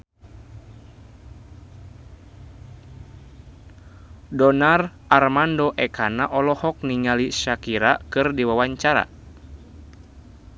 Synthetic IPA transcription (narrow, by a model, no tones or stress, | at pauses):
dɔnarʔarmandɔʔɛkanaʔɔlɔhɔk̚niŋaliʃakiɾakɨrdiwawaɲt͡ʃaɾa̰